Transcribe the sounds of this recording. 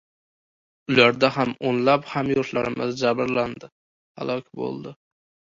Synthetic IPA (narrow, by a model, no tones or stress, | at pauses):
ʊlaɾd̪aɦamonlaphamjoɾt̪laɾɪmɪzd͡ʒabɪɾland̪ɪ | ha̰lˠɒkʲʰbo̰lˠd̪ɪ